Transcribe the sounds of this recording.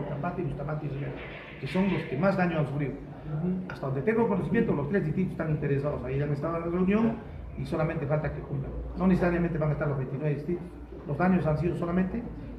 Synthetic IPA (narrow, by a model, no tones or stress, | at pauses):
t̪ambat̪eilost̪amat̪iiβe | keso̞nloskemazðaɲoansufɾiðo | ast̪aðond̪et̪eŋɡokonoθimjent̪olost̪ɾezðist̪ɾip̪̬ose̥st̪aŋint̪eɾes̬aðosaiaŋest̪aðlareunjoŋ | isolamẽnt̪efalt̪akekumpla̰ŋnoneθesaɾjamẽnt̪eβaŋest̪aɾlozβent̪iðɾezðist̪ɾitos | lozðaɲosans̬iðosolamẽnt̪e